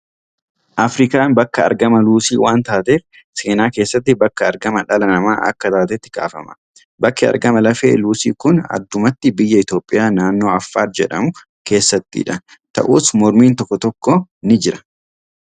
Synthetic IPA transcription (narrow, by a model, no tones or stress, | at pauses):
ʔɐfɾɪkaːnbɐkːɐɐ̰ɾɡɐmɐluːsḭːwaːnt̪aːt̪eːf | se̞ːnaːke̞ːsːɐt̪̬ːɪbɐkːɐɐɾɡɐmɐᶑɐlɐnɐma̰ːʔɐ̰kːɐt̪aːt̪ɛt̪ːɪɡa̰ːfɐ̰mɐ | bɐkːɛɐ̰ɾɡɐmɐlɐfḛːluːsḭːkʊnɐ̰d̪ːʊmɐt̪ːɪbɪjːɐɪt̪o̞ːpʼːɪjaːnaːnːo̞ːɐfːaːt̪̚d͡ʒɛᶑɐmʊ | ke̞ːsːɐt̪ːɪ̰ᶑɐ | t̪ɐ̰ʔuːsmɔɾmiːnt̪ɔkːɔt̪ɔkːɔnɪd͡ʒɪɾɐ̥